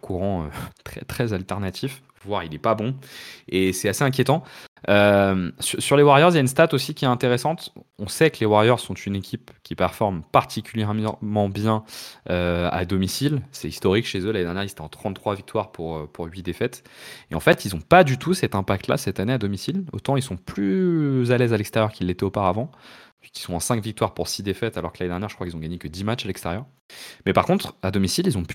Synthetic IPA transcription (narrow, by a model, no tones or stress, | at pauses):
kʰuʁɑ̃øt̪χɛ̰t̪χɛzalt̪ɛʁnat̪ʰif | vwaʁilɛpabɔ̃esɛaseɛ̃k̬ʲjet̪ɑ̃ømsyʁsyʁlewaʁjœʁzjaynst̪at̪osikʲiɛɛ̃t̪eʁesɑ̃t̪ | ɔ̃sɛkəlewaʁjœʁz̥sɔ̃t̪ʰynekʲipkʲipɛʁfɔʁmpaʁt̪ikʲyljɛʁmɑ̃bjɛ̃øa̰d̪ɔmisilsɛist̪ɔʁikʃezølaned̪ɛʁnjɛʁizet̪ɛɑ̃t̪χɑ̃t̪t̪ːχwavik̚t̪waʁpʰuʁøpuʁɥid̪efɛt̪eɑ̃fɛt̪ilzɔ̃pad̪yt̪usɛt̪ɛ̃pak̚t̪la̰sɛt̪anead̪ɔmisilo̰t̪ɑ̃ilsɔ̃plyzalɛzalɛkst̪ɛʁjœʁkʲilːet̪ɛopaʁavɑ̃ | ikilsɔ̃ɑ̃sɛ̃kvik̚t̪waʁpuʁsid̪efɛt̪alɔʁkəlaned̪ɛʁnjɛʁʒəkχwakilzɔ̃ɡaɲekəd̪imat͡ʃalɛkst̪ɛʁjœʁ | mɛpaʁkɔ̃t̪χad̪ɔmisililzɔ̃p